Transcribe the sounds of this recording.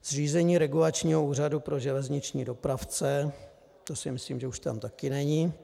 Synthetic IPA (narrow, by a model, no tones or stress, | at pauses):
z̥riːzɛɲiːɾɛɡulat͡ʃɲiːɦouːradupɾo̞ʒɛlɛzɲɪt͡ʃɲḭːdo̞pɾaft͡sɛ | t̪o̞sɪmɪsliːmʒɛuʃt̪a̰mt̪akɪnɛɲi